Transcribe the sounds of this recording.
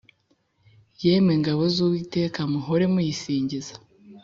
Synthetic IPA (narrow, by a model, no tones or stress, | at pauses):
jemeŋɡaβo̞zuːwiːte̞ːkamuɦoɾe̞mujisiːɲɟizḁ